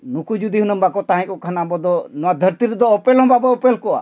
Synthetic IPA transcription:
nukud͡ʒud̪iɦunəmbakɔt̪aɦɛ̃kɔkʰanambɔd̪ɔnɔwad̪ʱəɾt̪iɾɛd̪ɔɔpelɦɔ̃babɔːpelkɔa̰

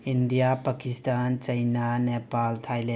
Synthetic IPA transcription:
indijapakistant͡ʃɐjnanepaltʰajle

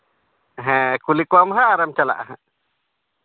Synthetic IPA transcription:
ɦɛ̃kulikwamɦaʔːɾamt͡ʃala̰ʔaɦãʔ

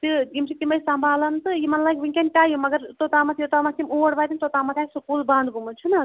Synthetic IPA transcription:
t̪ɨimt͡ʃʰit̪imɐjsambʱaːlɐnt̪ɨjimɐnlaːɡʲʋiŋkʲenʈaːjumɐɡɐɾt̪ot̪aːmɐt̪ʰjot̪amɐst̪imuɽbaːt̪int̪ot̪aːmɐt̪ʰʲjajsukuːlbãnd̪ɡumunt͡ʃʰunɐ

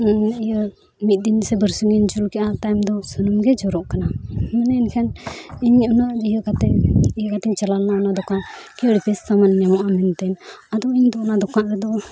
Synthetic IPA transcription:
ijə | mit̪̚ˀd̪insɛbəɾsuŋɛnd͡ʒulkɛʔat̪ajmd̪ɔsunumɡɛd͡ʒɔɾɔʔkanamɛnɛinkʰɛniɲɔnaʔd͡ʒijəkat̪ɛijəkat̪ɛɲt͡ʃalalnaɔnad̪ɔkaʔkɛəɽipɛsːamanɲamɔʔamɛnt̪ɛnad̪ɔiɲd̪ɔɔnad̪ɔkaʔɾɛd̪ɔ

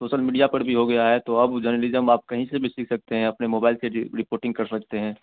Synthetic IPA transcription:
soːʃəlmiːɖijapɐɾbʱiɦoɡɐjaɦɛt̪oɐbd͡ʒəɾnəlɪzəmaːp̚kɐɦĩsebʱisiːkʰsɐk̚t̪eɦɛ̃ɐpnemoːbaːɪlseɾɪpoːɾʈɪ̃ŋɡ̚kɐɾsɐk̚t̪eɦɛ̃ː

